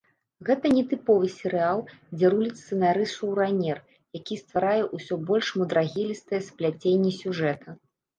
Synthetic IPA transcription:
ɣɛt̪ɐnʲɛt̪ɨpɔvɨsʲɛɾɨalˠd͡zʲɛɾulʲit̪sɨnaɾɨsʂɐwɾanʲɛr | jakʲist̪vaɾajɛʔusʲɔbɔlʲʂmud̪ɾaɣʲilʲist̪ɐjɛsplʲat͡sʲenʲːisʲuʐɛt̪ʰɐ

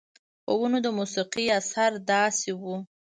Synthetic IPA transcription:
pə̰wunod̪əmusiqiasaɾd̪ɑsewu

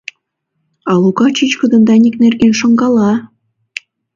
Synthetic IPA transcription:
ɑlˠukɑt͡ɕit͡ɕkud̪ɤ̆nd̪ɑnʲiknerɡenʃŏŋɡɑlˠɑ

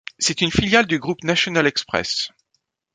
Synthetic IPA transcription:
sɛt̪ynfiljald̪yɡʁupnasjɔnalɛkspχɛ̰s

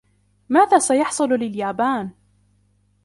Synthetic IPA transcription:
maːðaːsajɑħsˤʊllɪljaːbaːn

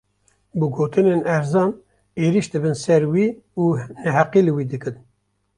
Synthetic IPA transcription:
bɨɡoːt̪ɨneːnæɾzɑːn | eːɾiʃd̪ɨbɨnsɛɾwiː | uːnɛɦæqiːlɨwiːd̪ɨkɨn

